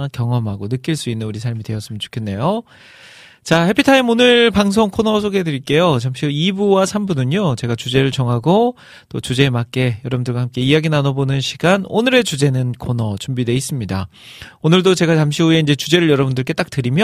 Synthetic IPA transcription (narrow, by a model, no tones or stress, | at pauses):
kjʌŋʌmɦaɡonɯk͈iɭs͈uinːɯnuɾisʰaɭmidwe̞jʌs͈ɯmjʌnt͡ɕo̥kʰe̞nːe̞jo | t͡ɕahe̞pʰitʰaimonɯɭpaŋs̬ʰoŋkʰonʌsʰoɡedɯɾik͈e̞jot͡ɕamɕʰioibuwasʰambunɯɲot͡ɕe̞ɡat͡ɕud͡ʑe̞ɾɯɭt͡ɕʌŋɦaɡo | t͈ot͡ɕud͡ʑe̞mak͈e̞jʌɾʌbundɯɭɡwahamk͈e̞iaɡinanobonɯnɕʰiɡ̥anonɯɾe̞t͡ɕud͡ʑe̞nɯnkʰonʌt͡ɕumbidwe̞is͈ɯmɲida̰onɯɭdot͡ɕe̞ɡat͡ɕamɕʰioe̞ind͡ʑe̞t͡ɕud͡ʑe̞ɾɯɭjʌɾʌbundɯɭk͈e̞t͈ak̚t͈ɯɾimjʌ